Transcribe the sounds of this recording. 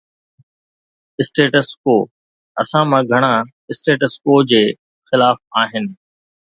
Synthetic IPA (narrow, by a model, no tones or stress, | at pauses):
ɪsʈeːʈəskoː | ɐsãmãɡʱɐɽ̃a | ɪsʈeːʈəskoːd͡ʑeː | xɪlaːfaːɦɪnɪ̆